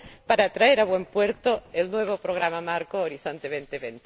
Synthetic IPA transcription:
paɾat̪ɾaeɾaβwe̞mpweɾt̪oelnwe̞β̞opɾoɣ̞ɾamamaɾkoːɾisont̪eβent̪eβent̪

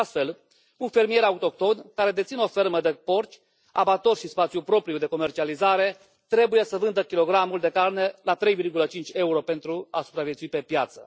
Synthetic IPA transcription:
ast̪fe̞l | unfe̞rmieɾaut̪o̞k̚t̪o̞nkaɾe̞d̪e̞t̪sino̞fe̞rməd̪epo̞rt͡ʃʲ | a̰bat̪o̞rʃispat̪sjupɾo̞pɾijud̪e̞ko̞mert͡ʃializaɾe̞ | t̪ɾe̞buje̞səvɨnd̪əkʲilo̞ɡɾamuld̪e̞karne̞lat̪ɾe̞jvirɡulət͡ʃint͡ʃʲe̞uɾo̞pe̞nt̪ɾuasupɾavjet̪suipe̞pjat̪sə̰

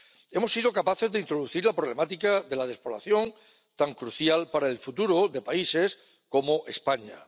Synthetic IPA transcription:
e̞mo̞sːið̞o̞kapaθe̞zðeint̪ɾo̞ð̞uθiɾlapɾo̞le̞mat̪ikaðe̞lað̞e̞spola̰θjo̞ŋ | t̪aŋkɾuθjalpaɾaelfut̪uɾoðe̞paise̞s | ko̞moʔe̞spaɲa̰

